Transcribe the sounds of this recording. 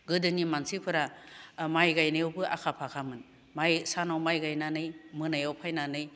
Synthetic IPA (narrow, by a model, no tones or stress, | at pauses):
ɡɯdɯnimansipʰɯɾamajɡajnajawbɯʔa̰kʰapʰakʰamɯn | majsanawmajɡajnanɯjmɯnajawpʰajnanɯj